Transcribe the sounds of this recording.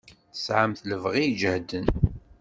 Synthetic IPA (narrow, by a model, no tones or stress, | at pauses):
sʕəmθləvʁijd͡ʒəhd̪ən